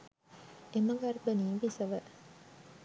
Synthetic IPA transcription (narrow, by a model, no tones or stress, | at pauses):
eməɡarbəniːbisəʋə